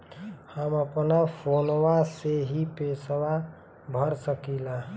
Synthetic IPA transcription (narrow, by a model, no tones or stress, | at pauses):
həməpnapʰoːnwaseɦipesəwa | bʱəɾsəkila